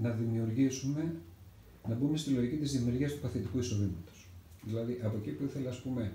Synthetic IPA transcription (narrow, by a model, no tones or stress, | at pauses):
nɐðimiuɾʝisume̞ | nɐbume̞st̪iloʝikcit̪izðimiuɾʝiɐst̪upɐθit̪ikuiso̞ðimɐt̪o̞̥s | ðilɐðiʔɐpo̞ecipuiθe̞lɐːspume̞